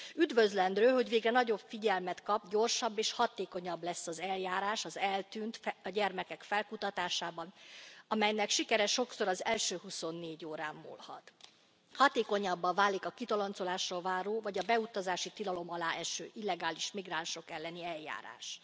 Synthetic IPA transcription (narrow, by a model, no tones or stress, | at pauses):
yd̪vø̞zlɛnd̪ɾøːɦo̞ɟʋveːɡrɛnɒɟo̞bfiɟɛlmɛt̪kɒbɟo̞rʃɒbːeːʃhɒt̪eːko̞ɲɒblɛsːɒzɛljaːɾaːʃɒzɛlt̪yːnt̪ɒɟɛrmɛkɛkfɛlkut̪ɒt̪aːʃaːbɒnɒmɛjnɛkʃikɛɾɛʃo̞kso̞ɾɒzɛlʃøːɦuso̞nːeːɟoːɾaːmːṵlhɒ̰t̪ | hɒt̪eːko̞ɲɒbːɒvaːlːikɒkit̪ɒlont̪so̞laːʃrolvaːɾoːvɒɟɒbɛut̪ɒzaːʃit̪ilɒlo̞mɒlaːʔɛʃø̰ːʔilːɛɡaːliʃmiɡranʃo̞kɛlːɛniɛlja̰ːɾa̰ːʃ